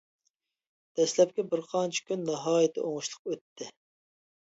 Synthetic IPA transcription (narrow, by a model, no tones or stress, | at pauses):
d̪̥ɛslɛp̚kʲɛbɪɾqʰɑnt͡ʃʰɪ̥kʲʰynːɑɦɑːjɪt̪ʰɪ̰ʔoŋuʃlˠəqøt̪ʰːɪ